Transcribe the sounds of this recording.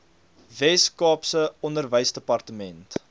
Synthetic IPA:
vɛskɑːpsəɔndərvəjsdəpɐrtəmɛnt

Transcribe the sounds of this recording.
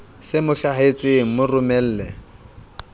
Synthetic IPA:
sɪmʊɬaɦet͡sʼɪŋ̩mʊrʊmɛl̩ːlɛ

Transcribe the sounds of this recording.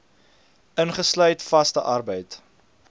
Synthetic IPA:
ənχəslœɥtfɐstəʔɐrbəjt

